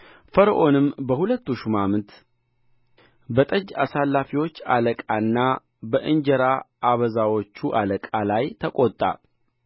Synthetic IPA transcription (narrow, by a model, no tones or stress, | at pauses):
fəɾəʔo̞nɨmːbəhulət̪ːuʃumamɨt̪ | bət̪ʼəd͡ʒːasalːafiwo̞t͡ʃːaləkʼanːa | bəʔɨnd͡ʒəɾaʔaβəzawo̞t͡ʃːuʔaləkʼalajt̪ʰəkʼot̪ʼːa̰